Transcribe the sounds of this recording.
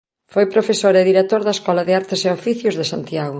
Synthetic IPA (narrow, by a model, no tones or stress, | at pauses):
fojpɾofesoɾeðiɾet̪oɾðɐeskɔlɐðɪaɾt̪ɪseofiθjʊzðesant̪iaɣʊ